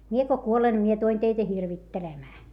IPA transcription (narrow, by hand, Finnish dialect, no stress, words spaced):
mie ko kuolen ne mie tul̆en teitæ hirʋitːelemæː